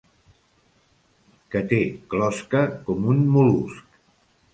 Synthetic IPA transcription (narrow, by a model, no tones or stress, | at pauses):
kət̪eklɔskəkɔmunmulusk